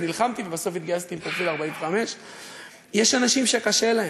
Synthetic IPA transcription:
nilχamt̪ivebaso̞fit̪ɡaast̪iːmkofilaʁbaimveχame̞ʃ | je̞ʃanaʃimʃekaʃe̞lahe

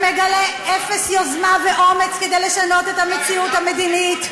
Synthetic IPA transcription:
meɡaleʔefesjozmaveʔo̞met͡sked̪ejleʃano̞t̪et̪hamet͡siuthame̞d̪init

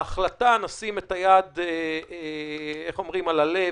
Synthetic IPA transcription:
aχlat̪anasimet̪ajad̪e | eχo̞mʁimalale

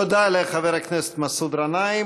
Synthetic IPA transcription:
od̪aɛlɛχavɛɾaknɛsɛ̥t̪masud̪ɾanaj

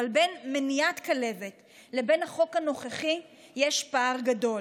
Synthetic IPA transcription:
albe̞nmenijat̪kale̞vet | le̞be̞naχo̞khano̞χeχi | jeʃpaʁɡado̞l

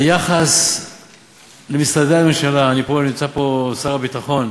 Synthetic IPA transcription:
jaχas | lemist̪adeamemʃalaːniponimt͡sapo̞saʁabit̪aχo̞n

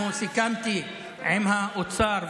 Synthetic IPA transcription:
ũsikamt̪i | emɦãʔʊt̪saɾ

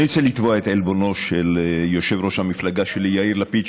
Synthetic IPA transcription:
iot͡selit̪voaet̪elbo̞no̞ʃeljo̞ʃe̞vʁoʃhamiflaɡaʃelijaiɾlapit͡ʃ

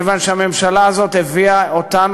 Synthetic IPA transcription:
vanʃeame̞mʃalaːzo̞t̪heviaot̪an

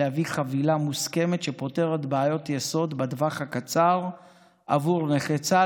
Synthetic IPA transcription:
ehaviχavilamuske̞metʃe̞po̞te̞ʁet̪baːjo̞tjeso̞d̪bed̪vaχhakat͡saʁ | ʔa̰vuʁneχet͡sa

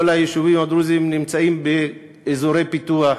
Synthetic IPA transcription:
olajeʃuvimad̪ɾuzimnimt͡saimbeː | zoɾe̞jpit̪ua

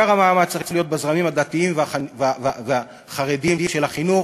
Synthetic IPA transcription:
aʁamaːmat͡st͡slijo̞t̪̚bazʁamimad̪at̪iimvavvvea | χaʁed̪imiʃelaχinuχ

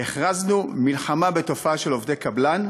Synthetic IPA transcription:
eχʁaznumilχamabe̞to̞faaʃe̞lo̞vd̪ekablan

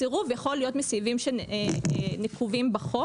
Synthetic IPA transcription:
iʁuvjaχo̞lijo̞t̪mesivimʃe | nikχuvimbaχo

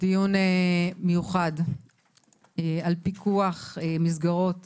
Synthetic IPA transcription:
d̪̥ijunemejuχad | ealpikʰuaχemizɡaʁo̞t

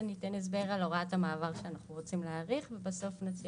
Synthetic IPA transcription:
nitenes̬be̞ʁaloʁathamaːvaʁʃeanaχnuʁo̞t͡simleaʁiχvebaso̞fnot͡si

